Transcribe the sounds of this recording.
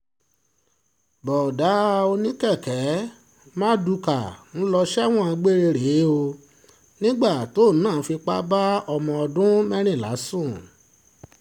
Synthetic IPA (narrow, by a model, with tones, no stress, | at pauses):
bɔ˨da˨˦o˧nĩ˦kɛ˦˨kɛ˨˦ | mãː˦du˧ka˨ñ̩˦lɔ˧ʃɛ˦w̃ɔ̃˦˨˧ɡ͡be˦ɾe˧ɾe˨˦o˧ | nĩ˦ɡ͡ba˦˨to˨˦˨nãː˦˨˦fi˧k͡pa˦ba˦ɔ˧mɔ̃˧ɔ˧dũ˦mɛ̃˦ɾ̃ĩ˦˨la̰˨˦sũ˦˨